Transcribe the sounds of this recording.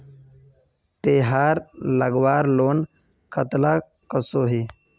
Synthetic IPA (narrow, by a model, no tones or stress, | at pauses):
t̪eːɦaːɾləɡʋaːɾloːn | kʰət̪la | kəsoːɦiː